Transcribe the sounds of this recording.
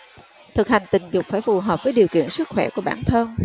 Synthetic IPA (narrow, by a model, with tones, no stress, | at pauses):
t̪ʰɨ˨˩k̚ha˨˩jŋ̟t̪ï˨˩ŋ̟zʊ˨˩k͡p̚faː˧˩jfu˨˩ɦəː˨˩p̚vəː˨˦jɗi˨˩əwkḭ˧˨ənsɨ˦˥t̚xwɛ˧˩ku˧˩əɓaː˧˩nt̪ʰə˧n